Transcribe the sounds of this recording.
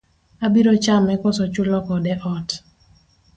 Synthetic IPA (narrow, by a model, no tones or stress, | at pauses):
abiɾɔt͡ʃamɛkɔsɔt͡ʃʊlɔkɔdɛʔɔt